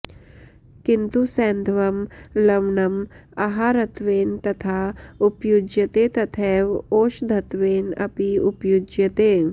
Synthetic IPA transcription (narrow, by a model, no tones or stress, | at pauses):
kint̪usɛːnd̪ʱʋɐmlɐʋɳɐmɐɦaɾɐt̪ʋeːnt̪ɐt̪ʰaːupjud͡ʒjɐt̪eːt̪ɐt̪ʰɛːʋoːʃd̪ʱɐt̪ʋeːnɐ̰piupjud͡ʒjɐt̪eː